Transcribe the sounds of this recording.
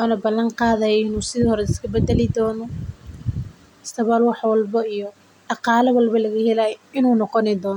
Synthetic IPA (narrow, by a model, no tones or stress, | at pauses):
waːnɐbɐlːɐŋqɑːðɐjɛɪnuːsɪðiːhɔɾɛɪskʰɐbɛd̪ɛlɪd̪ɔːnɔ | ɪst̪ɐβɐːlwɑħwɑlbɐijɔ | d̥ɑqɑːlɐwɐlbɐlɐɣɐhɛlaːjɪnuːnɔqɔnɛd̪ɔːnɔ